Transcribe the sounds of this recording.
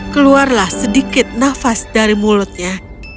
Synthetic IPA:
kəluarlahsədikɪt̪̚nafasdaɾimulʊt̪̚ɲa

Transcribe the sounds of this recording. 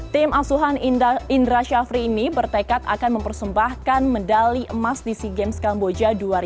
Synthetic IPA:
t̪ɪmasuɦanindɾaʃafɾiːnibərt̪ekat̪a̰kanməmpərsəmbahkanməndaliʔəmasdisiɡɛmskambod͡ʒaduaɾ

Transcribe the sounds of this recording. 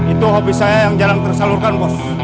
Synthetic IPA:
it̪uɦopisajajaŋd͡ʒaɾaŋt̪ərsalurkankɔs

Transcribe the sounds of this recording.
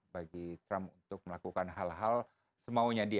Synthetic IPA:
baɡit̪ɾamunt̪ʊk̚məlakukanɦalɦal | səmauɲadi

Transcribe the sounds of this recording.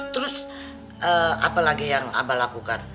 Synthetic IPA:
t̪əɾʊs | ʔəa̰palaɡijaŋa̰balakukan

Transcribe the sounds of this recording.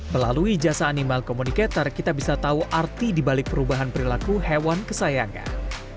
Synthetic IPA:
məla̰luid͡ʒasaːnimalkomunikat̪arkit̪abisat̪auʔart̪idibalɪk̚pəɾubaɦanpəɾilakuhɛwankəsajaŋa̰n

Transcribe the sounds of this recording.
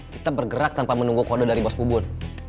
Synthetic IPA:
kit̪abərɡəɾak̚t̪ampamənuŋɡukodɔdaɾibɔspubʊn

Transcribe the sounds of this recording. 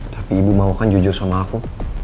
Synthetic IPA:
t̪ʰapiːbumaukand͡ʒud͡ʒursamaːku

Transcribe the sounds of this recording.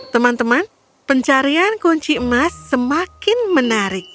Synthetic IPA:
t̪əmant̪əman | pəɲt͡ʃaɾiankoɲt͡ʃimasːəmakɪnmənaɾɪk̚

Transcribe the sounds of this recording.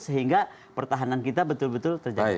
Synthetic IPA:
səɦiŋɡa | pərt̪aɦanankit̪abət̪ʊlbət̪ʊlt̪ərd͡ʒa̰

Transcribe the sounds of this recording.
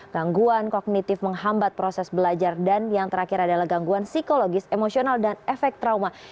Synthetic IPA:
ɡ̥aŋɡuankoɡ̚nit̪ɪfməŋɦambat̪̚pɾosɛsbəlad͡ʒardanjaŋt̪əɾakɪɾadalahɡaŋɡuansikoloɡɪsemosionaldanɛfɛk̚t̪ɾawma

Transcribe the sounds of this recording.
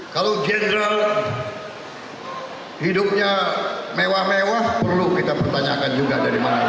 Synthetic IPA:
kalod͡ʒɛnɾal | hidʊp̚ɲamewahmewahpərlukit̪apərt̪aɲakand͡ʒuɡadaɾimana

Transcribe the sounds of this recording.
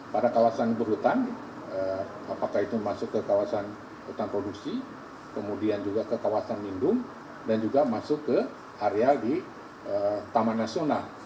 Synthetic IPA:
padakawasanbəɾut̪an | ə | apakait̪umasʊkːəkawasan | ut̪anpɾoduksi | kəmudiand͡ʒuɡakəkawasanbindʊŋ | dand͡ʒuɡamasʊkːə | ʔaɾeadi | ət̪amanasional

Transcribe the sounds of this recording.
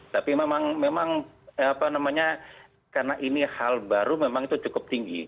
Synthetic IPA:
t̪apimemaŋmemaŋapanamaɲa | karnaʔinihalbaɾumemaŋit̪ut͡ʃukʊp̚t̪iŋɡḭ

